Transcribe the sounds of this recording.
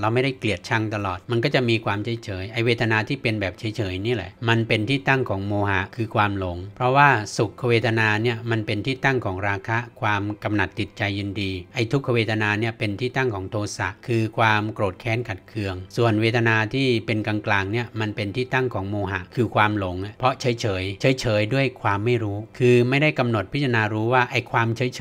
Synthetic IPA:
ɾa˧wma˥˩jda˥˩jkli˨˩ət̪̚t͡ɕʰa˧˩ŋt̪a˧lɔː˨˩t̪̚ma˧nkɔː˥˩t͡ɕa˨˩ʔmiː˧kʰwaː˧mt͡ɕʰa˦jt͡ɕʰɤː˩˦jʔa˧jweː˧t̪ʰa˧naː˧t̪ʰiː˥˩pe˧nbɛː˨˩p̚t͡ɕʰa˩˦jt͡ɕʰɤː˩˦jni˦˥˩lɛ̰˨˩˦ʔma˧npe˧nt̪ʰiː˥˩t̪a˥˩ŋkʰɔː˩˦ŋmoː˧ha˨˩˦kʰɯː˧kʰwaː˧mlo˩˦ŋpʰɾɔ˦˥waː˥˩su˨˩kʰːa˧weː˧t̪ʰa˧naː˧ni˦˥˩ɐma˧npe˧nt̪ʰiː˥˩t̪a˥˩ŋkʰɔː˩˦ŋɾaː˧kʰa˦˥ʔkʰwaː˧mka˧mna˨˩t̪ːi˨˩t̪̚t͡ɕa˧jːɯː˧ndiː˧ʔa˧˩jt̪ʰu˦˥kʰːa˧weː˧t̪ʰa˧naː˧ni˥˩ɐpe˧nt̪ʰiː˥˩t̪a˥˩ŋkʰɔː˩˦ŋt̪ʰoː˧sa˨˩ʔkʰɯː˧kʰwaː˧mkɾoː˨˩t̪̚kʰɛː˨˦˥nkʰa˨˩t̪̚kʰɯ˧əŋsu˨˩ənweː˧t̪ʰa˧naː˧t̪ʰiː˥˩pe˧nka˧ŋklaː˧ŋni˥˩ɐma˧npe˧nt̪ʰiː˥˩t̪a˥˩ŋkʰɔː˩˦ŋmoː˧ɦa˨˩ʔkʰɯː˧kʰwaː˧mlo˩˦ŋa˧˩pʰɾɔ˦˥ʔt͡ɕʰɤː˩˦jt͡ɕʰɤː˩˦jt͡ɕʰɤː˩˦jt͡ɕʰɤː˩˦jdu˥˩əjkʰwaː˧mːa˥˩jɾuː˦˥kʰɯː˧ma˥˩jda˥˩jka˧mno˨˩t̪̚pʰi˦˥t̪̚ʰa˧naː˧ɾuː˦˥waː˥˩ʔa˧jkʰwaː˧mt͡ɕʰɤː˩˦jt͡ɕʰ

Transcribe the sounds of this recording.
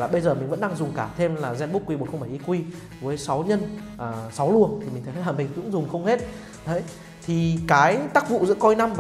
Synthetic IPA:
laː˨˩ɓə˧jzəː˨˩mï˨˩ŋ̟və̰˧˥nɗa˧ŋzʊ˨˩ŋ͡mkaː˧˩t̪ʰe˧mlaː˨˩zɛ˧nɓu˦˥kːwi˧ɓnxŋ͡mɓa˧˩jʔi˧kwi˧ | vəː˨˦jsa˨˦wɲə˧nʔəː˨˩sa˨˦wlu˧˩ənt̪ʰi˨˩m̟˨˩t̪ʰjlaː˨˩mï˨˩ŋ̟kʊ̰˧˥ŋzʊ˨˩ŋ͡mxə˧wŋ͡mhe˦˥t̚ | ɗə˨˦j | t̪ʰi˨˩kaː˨˦jt̪aː˦˥k̚vṵ˧˨zɨ̰˧˥kɔ˧jna˧mv

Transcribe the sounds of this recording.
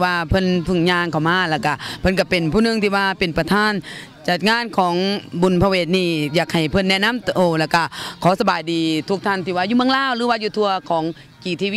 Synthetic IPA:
waː˧pʰɤ˧˥˨npʰɯ˧˩ŋɲaː˧˨ŋkʰa˨˩wmaː˧˥˨lɛː˧˩ka˧˩pʰɤ˧˥˨nk̬a˧˩pe˨˩npʰuː˧˨nɯ˧ŋt̪ʰiː˧˩waː˧˩pe˨˩npa˧t̪ʰaː˧˥˨n | t͡ɕa˨˩t̪̚ŋaː˧˥˨nkʰɔː˩˦ŋbu˨˩˨npʰa˧weː˧˩t̪̚niː˧˩jaː˨˩k̚ha˨˩jpʰɤ˧˥nːɛ˧˨na˧˥˨mt̪ʔoː˧˩lɛː˧˩ka˧˩kʰɔː˨˦sa˧baː˨jdiː˨˩t̪ʰu˧k̚t̪ʰa˧˩˨nt̪ʰiː˧˩waː˧˨juː˧mɯ˧˥ə˨ŋlaː˧˥˨wlɯː˧˦waː˧juː˧t̪ʰu˧ɐkʰɔː˨˦ŋ | kiː˨˩t̪ʰiː˧

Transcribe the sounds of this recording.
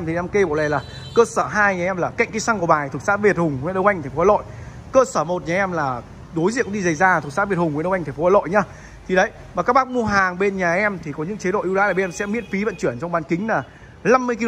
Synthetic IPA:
mt̪ʰi˨˩˨na˧mke˧ɓo˧˨wlɛ˨˩laː˨˩ | kəː˧səː˧˩ɦaː˧jɲaː˨ʔɛ˧mlaː˨˩ka̰˧˨ŋ̟ki˨˦sa˧ŋku˧˩əɓaː˨˩jt̪ʰɨ˨˩k̚saː˦˥t̚vi˨˩ət̚hʊ˨˩ŋ͡mwḭ˧˨nɗə˧wʔa˧jŋt̪ʰŋ̟fo˦wːlo̰˧˨j | kəː˧səː˧˩mo˨˩t̚ɲaː˨ʔɛ˧mlaː˨˩ | ɗo˨˦jzḭ˧˨əkɗi˧zə˨˩jzaː˧t̪ʰɨ˨˩k̚saː˦˥vt̚hʊ˨˩ŋ͡mwnə˧wʔŋ̟t̪̟ʰfo˨˦wa˧lo̰˧˨jɲa˨˦ | t̪ʰi˨˩ɗə˨˦j | vaː˨˩kaː˦˥k̚ɓa˦˥k̚mu˧əɦaː˨˩ŋɓe˧nɲaː˨˩ʔɛ˧mt̪ʰi˨˩kɔ˨˦ɲɨ̰˧˥ŋt͡ɕe˨˦ɗo̰˧˨ʔwlaː˧˦laː˨˩ɓʔɛ˧msɛ̰˧˥mi˦˥t̚fi˨˦və̰˧˨nt͡ɕwi˧˩ənt͡ɕɔ˧wŋ͡mɓaː˨˩nkï˨˦ŋ̟laː˨˩ | la˧mːɨ˧əjk̬i˧l

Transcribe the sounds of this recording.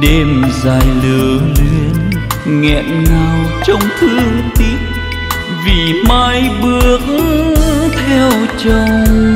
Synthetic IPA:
ɗe˧mzaː˧˩jlɨ˧˨˦əŋlwi˧ənŋɛ̰˧˨ʔnaː˨˩wt͡ɕɔ˧wŋ͡mt̪ʰɨ˨˦t̪i˦t̚ | vi˨˩maː˧jɓɨ˦ək̚ | t̪ʰɛ˧wt͡ɕə˧ww

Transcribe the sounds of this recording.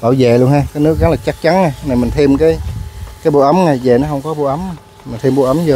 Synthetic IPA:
ɓaː˧˩wze˧˨lu˧ənhaː˧kaː˨˦jnɨ˦˥ək̚za˨˦ŋlaː˨˩t͡ɕa˦˥k̚t͡ɕa˨˦nŋa˨˩jna˨˩mi˨˩ŋ̟t̪ʰi˧əmkaː˨˦jkaː˨˦jɓo̰˧˩ʔə˨˦mŋa˨˩jze˨˩nɔ˨˦ɦə˧wŋ͡mkɔ˨˦ɓo̰˧˨ʔə˨˦m˨˩ | m˨˩ŋt̪ʰi˧mɓo̰˧˩ʔə˨˦mzɔ˨˧˩

